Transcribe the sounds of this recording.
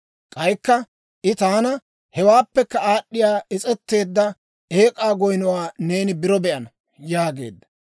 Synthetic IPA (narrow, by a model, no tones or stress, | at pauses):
kʼɐjkːɐ | ʔɪt̪aːnɐ | hɛwaːpːɛkːɐaːɗːɪjaːɪt͡sʼɛt̪ːe̞ːd̪ːɐ | e̞ːkʼaːɡɔjnɔwaːne̞ːnɪbɪɾɔbɛʔɐnɐ | jaːɡe̞̰ːd̪ːɐ̥